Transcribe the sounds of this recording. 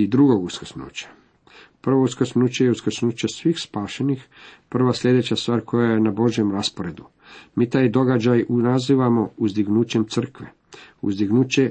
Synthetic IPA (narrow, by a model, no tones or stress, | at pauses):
id̪ɾuɡo̞ɡuskə̥snṵːt͡ɕḁ | pr̩ʋo̞uskəsnuːt͡ɕejeuskəsnuːt͡ɕe̞sʋiːxspaːʃenixpr̩ʋasʎʲe̞d̪e̞t͡ɕast̪ʋaːɾʲkʰo̞jajenabo̞ʒje̞mɾaspoɾe̞d̪u | miːt̪aːjd̪o̞ɡad͡ʑajunaziːʋamo̞uzd̪iɡnuːt͡ɕe̞mt̪sɨr̩kʋḛ | ṵzd̪iɡnuːt͡ɕe